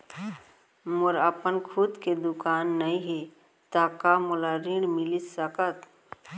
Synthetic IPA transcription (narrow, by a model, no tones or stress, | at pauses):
mʊɾəpənkʰud̪ked̪ʊkaːnːəĩɦe | t̪akamolaɾiɽmɪlisəkət̪